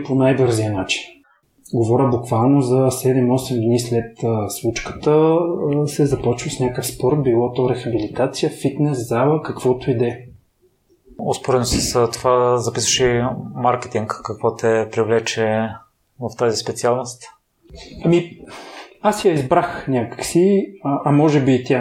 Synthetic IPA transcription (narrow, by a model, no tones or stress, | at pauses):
ponajbɤɾzijənat͡ʃi̥n | ɡovɔɾʲəbukvalˠnozɐsɛd̪ɛmɔsɛmd̪nislɛt̪ːsvut͡ʃkə̥t̪ə | sɛzɐpɔt͡ʃvəsnʲakəfspɔɾt̪bilˠɔt̪oɾɛxɐbilit̪at̪sijəfit̪nɛszalˠəkɐkvɔt̪oid̪ɛ | ospoɾɛtnosɐst̪ovazɐpisvə̥ʃɛmaɾkɛ̥t̪iŋkːɐkvɔt̪ɛpɾivlɛt͡ʃɛ | vɐft̪azispɛt̪sialˠnost̪ | ɐmi | asjɐizbɾaxnʲakə̥ksiʔɐmɔʒɛbit̪ʲa